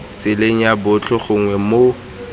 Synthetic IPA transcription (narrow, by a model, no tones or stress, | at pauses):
t͡sʼɪleŋ̩jabʊt͡ɬʰʊχʊŋ̩ŋwɛmo